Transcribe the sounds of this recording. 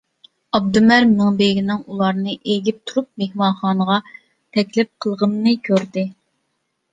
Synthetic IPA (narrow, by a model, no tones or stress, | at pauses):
ɑb̚d̪umæɾmmɪŋbeɡʲinɪŋulˠɑɾnɨʔeɡʲip̚t̪ʰuɾup̚mehmɑnχɑːnəʁɑ | t̪ʰɛkʲlɪp̚qʰəlˠʁənːɨkʲʰøɾd̪ɪ